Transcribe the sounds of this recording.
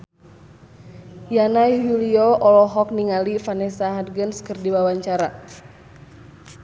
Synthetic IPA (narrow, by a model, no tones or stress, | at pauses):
janajɦuliɔʔɔlɔɦɔk̚niŋalifanɛsaɦadɡənskɨrdiwawaɲt͡ʃaɾa